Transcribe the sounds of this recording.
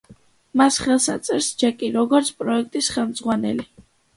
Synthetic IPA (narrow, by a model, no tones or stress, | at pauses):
masχɛlˠsat̪sʼɛɾsd͡ʒɛkʼiɾɔɡɔɾt̪sʰpʼɾɔɛk̚ʰt̪ʼisχɛlˠmd̪zʁwanɛ̰li